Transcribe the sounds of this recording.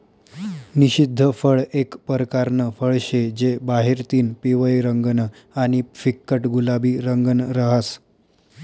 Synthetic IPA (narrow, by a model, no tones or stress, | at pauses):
niɕid̪ʱːəfəɭekpəɾkaɾnəfəɭɕed͡ʑebaɦeɾt̪iːnpiʋəjɾəŋɡən | aɽ̃ifikːəʈɡulabiːɾəŋɡənɾəɦas